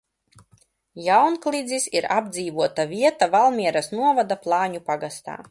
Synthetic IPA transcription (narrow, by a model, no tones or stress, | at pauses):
jawnklˠid̪zisiɾab̚d̪ziːvuɔt̪avʲiɛt̪avalˠmʲiɛɾasnuɔvad̪aplˠɑːɲupaɡast̪a̰ː